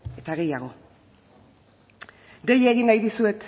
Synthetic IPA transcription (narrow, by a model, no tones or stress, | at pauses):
e̞t̪aɣe̞jaɣ̞o̞ | d̪ejeɣinːajðisue̞t̪